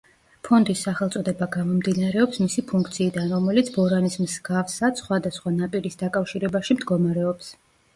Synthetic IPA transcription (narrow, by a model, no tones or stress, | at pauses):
pʰɔnd̪isːaχɛlˠt̪sʼɔd̪ɛbaɡamɔmd̪inaɾɛɔpsmisipʰuŋkʰt̪sʰiːd̪anɾɔmɛlit̪sʰbɔɾanismsɡafsad̪sχwad̪asχwanapʼiɾisd̪akʼafʃiɾɛbaʃimd̪ɡɔmaɾɛɔps